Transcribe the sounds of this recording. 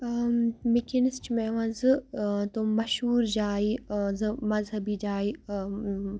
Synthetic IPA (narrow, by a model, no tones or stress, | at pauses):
mikinist͡ʃimẽːʋɐ̃nzɨt̪omɐʃɦuːɾd͡ʒaːizɨmɐzɦɐbid͡ʒaːi